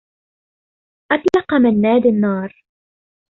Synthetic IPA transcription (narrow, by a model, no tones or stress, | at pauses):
ʔat̪lɑqɑmanːaːd̪anːɑːɾˤ